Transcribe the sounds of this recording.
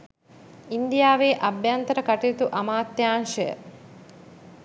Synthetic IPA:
ind̪ijaːʋeːʔɐbjant̪əɾəkaʈiit̪uʔɐmaːt̪ːjaːnʃəjə̰

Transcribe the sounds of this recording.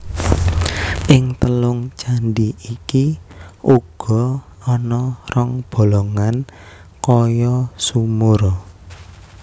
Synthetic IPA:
ʔɪŋt̪əlʊŋt͡ʃanɖiʔikiʔuɡ̥ɔ̤ | ɔnɔrɔŋb̥o̤loŋan | kɔjɔsumuɾ

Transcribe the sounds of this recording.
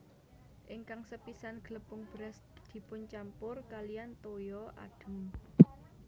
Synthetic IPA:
ʔɪŋkaŋsəpisanɡ̥ələpʊŋb̥ɾɛs | d̪̥i̤pʊɲt͡ʃampʊrkalijant̪ojɔʔa̰ɖ̥ʊ̤m

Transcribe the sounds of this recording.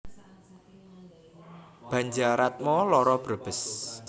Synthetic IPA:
b̥ä̤ɲd͡ʒaɾat̪̚mɔlɔɾɔb̥ɾob̥əs

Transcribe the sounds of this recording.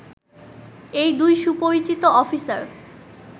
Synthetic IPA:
ejd̪ujʃupoɾit͡ɕit̪oɔfisaɾ

